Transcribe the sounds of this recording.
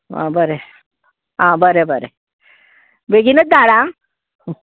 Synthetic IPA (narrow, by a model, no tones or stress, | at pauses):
ã̰bəɾe | ɦãbəɾebəɾḛ | beɡinət͡s̚d̪aɽã